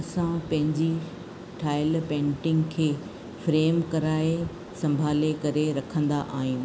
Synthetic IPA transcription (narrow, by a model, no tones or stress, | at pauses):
ɐsãpɐ̃ɦɪ̃ɲd͡ʑi | ʈʰaːɪlpẽːɳʈɪ̃ŋɡkʰeː | fɾeːmkɐɾaːe | sɐ̃mbʱaːlekɐɾeɾɐkʰə̃nd̪aʔaːɦĩũ